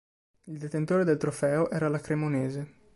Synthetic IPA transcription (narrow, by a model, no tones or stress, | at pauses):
ild̪et̪ent̪oːɾed̪elt̪ɾofɛːoʔɛːɾalakɾemoneːze